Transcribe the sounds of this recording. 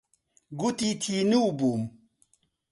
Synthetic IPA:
ɡut̪it̪ʰiːnuwbuːm

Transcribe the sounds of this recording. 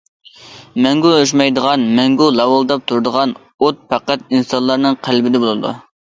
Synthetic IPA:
mɛŋɡuøʃ̬mɑjd̪əʁɑnmɛŋɡulˠɑwɑlˠd̪ɑp̚t̪ʰuɾd̪əʁɑn | ot̪̚pʰæqæt̪̚insɑnlːˠɑɾnɨŋqʰælbɪd̪ɛbolˠɨd̪ṵ

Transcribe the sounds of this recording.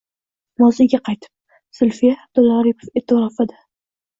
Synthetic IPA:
mɒzɪɡʲaqʰɑjt̪ʰɪ̥p̚ | sʊlfijaːb̚d̪ʊlˠaɾɪpʰofet̪ɪɾɒfad̪ɪ

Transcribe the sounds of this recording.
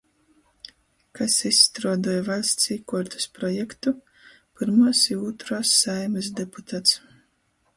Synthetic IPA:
kasist̪ɾuɔd̪ɔːjɛvalʲst̪siːkɔɾt̪u̥spɾɔjɛkt̪u | pɨɾmusiuːt̪ɾɔːsːajmɨsd̪eput̪ʰaːt̪s

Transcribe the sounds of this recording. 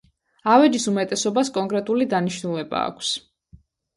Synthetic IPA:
avɛd͡ʒisumɛt̪ʼɛsɔbaskʼɔŋkʼɾɛt̪ʼulid̪aniʃnulɛba̰ːkʷʰs

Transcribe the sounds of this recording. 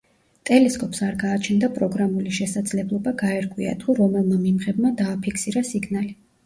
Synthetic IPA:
t̪ʼɛlɛskʼɔpʼsaɾɡaːt͡ʃʰɛnd̪apʼɾɔɡɾamuliʃɛsad̪zlɛblˠɔbaɡaɛɾɡʼwia̰d̪ʁuɾɔmɛlˠmamimʁɛbmad̪aːpʰikʰsiɾasiɡnali

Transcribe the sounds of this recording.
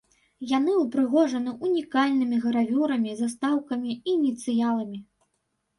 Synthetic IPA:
janɨupɾɨɣɔʐɐnɨʔunʲikalʲnɨmʲiɣɐɾavʲuɾɐmʲizast̪awkɐmʲiiːnʲit̪sɨjalˠɐmʲi

